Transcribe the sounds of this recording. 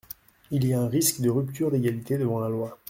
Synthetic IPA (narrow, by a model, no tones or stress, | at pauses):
ilijaɛ̃ʁiskd̪əʁypt̪ʰyʁd̪eɡalit̪ed̪əvɑ̃lalwa